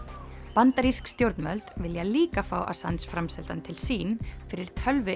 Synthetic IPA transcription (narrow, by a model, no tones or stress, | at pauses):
pant̪aɾiskst̪jowɾt̪nmœlt̪vɪljaliːkafa̰ːwʔa̰sansfɾamsɛlt̪ant̪ʰɪlsiːnfɪɾɪɾ̥t̪ʰœlvʏ